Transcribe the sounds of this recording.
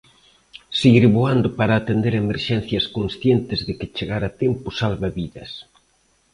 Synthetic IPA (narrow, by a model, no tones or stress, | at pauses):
siɣiɾβoand̪ʊpaɾaːt̪end̪eɾemeɾʃɛn̟θjɐskonsθjent̪ɪzðɪkɪt͡ʃeɣaɾat̪empʊsalβaβiðɐs